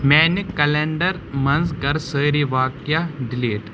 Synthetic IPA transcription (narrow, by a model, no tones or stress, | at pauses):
mɛːnikːɐleːɳɖəɾ | mɐ̃nskɐɾsəːɾiʋaːkjaɖɪliːʈ